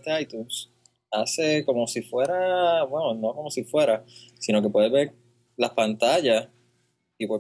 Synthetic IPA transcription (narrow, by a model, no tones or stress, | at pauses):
t̪eajt̪uns | ase̞ko̞mo̞sifwe̞ɾabwenono̞ko̞mo̞sifwe̞ɾasino̞ke̞p̬we̞ðeβeɾ | lahpant̪aʝas | ipwe